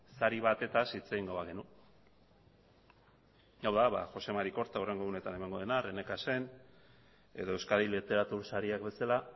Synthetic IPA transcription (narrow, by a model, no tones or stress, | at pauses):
saɾiβ̞at̪e̞t̪asit͡seɣiŋɡo̞βaɣ̞e̞nu | ɡawðaβa̰ʝo̞se̞maɾiko̞ɾt̪aure̞ŋɡoune̞t̪ane̞maŋɡo̞ðe̞nare̞ne̞kase̞n | e̞ðoe̞wskaðilet̪e̞ɾat̪uɾsaɾiakbe̞sala